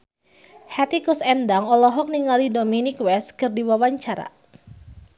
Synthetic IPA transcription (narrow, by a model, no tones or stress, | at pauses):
hat̪ikɔsɛndaŋɔlɔɦɔk̚niŋalidominikwɛskɨrdiwawaɲt͡ʃaɾa̰